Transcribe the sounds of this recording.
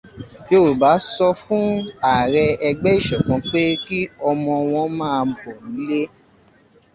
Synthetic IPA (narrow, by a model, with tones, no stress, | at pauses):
jo˦˨ba˨˦sɔ˧fũ˦a˦˨ɾɛ˧ɛ˧ɡ͡bɛ˦i˦˨ʃɛ˨k͡pɔ̃˨˧k͡pe˦ki˦ɔ˧mɔ̃˧w̃ɔ̃˧˦mãː˦˧bɔ˨nĩ˨˦le˦